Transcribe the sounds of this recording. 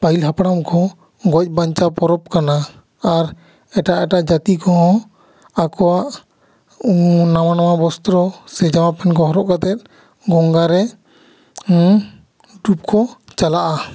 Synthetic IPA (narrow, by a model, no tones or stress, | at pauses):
pailɦapɽamkʰɔ | ɡɔc̚ˀbaɲt͡ʃapɔɾɔp̚kanaː | ɾ | ɛʈaʔɛʈaʔd͡ʒat̪ikɔɦɔ̃ | akɔwaʔ | namanamabɔst̪ɾɔsɛd͡ʒamapɛnkɔɦɔɾɔʔkat̪ɛt̪̚ | ɡɔŋɡaɾɛ | ɖup̚kʰɔt͡ʃalaʔa